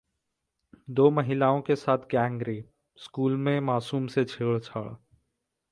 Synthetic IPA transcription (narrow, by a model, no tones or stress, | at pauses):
d̪oːməɦɪlaːõkesaːt̪ʰɡɛ̃ːŋɡɾi | skuːlmẽmaːsuːmset͡ʃʰeːɭt͡ʃʰə̰ɭ